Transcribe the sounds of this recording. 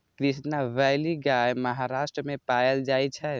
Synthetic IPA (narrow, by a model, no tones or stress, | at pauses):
kɾisnaʋɛliɡajməɦaɾasʈɾəmepajəld͡ʒajt͡ʃʰɛ